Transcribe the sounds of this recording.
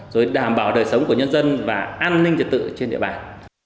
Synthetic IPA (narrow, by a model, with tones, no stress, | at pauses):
zo˨˩jɗaː˧˩mɓaː˧˩wɗəː˨˩jsə˨˦wŋ͡mku˧˩əɲə˧nzə˧nvaː˨˩ʔaː˧nːï˧ŋt͡ɕə˨˩t̪̚ɨ̰˧˨t͡ɕe˧nɗḭ˧˨əɓaː˧˨˩n